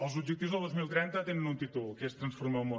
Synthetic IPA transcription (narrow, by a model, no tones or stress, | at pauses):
əlˠzubd͡ʒək̚t̪iwzðəlˠd̪ozmilˠt̪ɾɛnt̪ət̪enənunt̪it̪ulˠkest̪ɾənsfurmamo